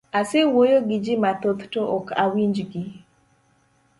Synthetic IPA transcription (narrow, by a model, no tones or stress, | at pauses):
asɪwojoɡid͡ʒɪmat̪ot̪toʔɔka̰wind͡ʒɡi